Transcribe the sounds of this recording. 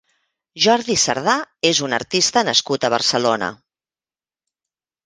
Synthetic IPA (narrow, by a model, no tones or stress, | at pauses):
ʒɔɾðisə̰ɾðaezunə̰ɾt̪ist̪ənəskut̪əβ̞ərsəlonə̰